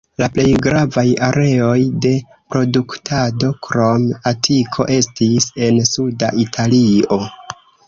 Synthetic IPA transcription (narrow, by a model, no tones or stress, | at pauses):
laple̞jɡɾavajaɾe̞o̞jde̞ | pɾo̞duktʰado̞kɾo̞matʰikʰo̞̰ʔe̞stise̞nsuda̰ʔitʰalio̞